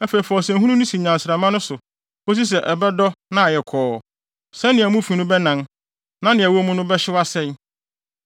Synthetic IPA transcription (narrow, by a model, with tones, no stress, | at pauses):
æ˦fe˨i˨fɔ˨sɛ̃˨ɦũ˦nũ˦nʊ̃˦si˨ɲã˨nsɪɾa˨mã˦nʊ̃˦sʊ˨ | o˦s̬i˦s̬ɛ˨ʔɛ˨bɛ˦dɔ˦nã˦a˨jɛ˨kʰɔː˨˦˨ | sɛ̃˦nɪ̃˨æ˨mũ˦fi˨nʊ̃˦bɛ˦nã˨n | nã˦nɪ̃˨æ˨wo˦mʊ̃˦nʊ̃˦bɛ˦ɕɪ˦wa˦sɛ̃˦n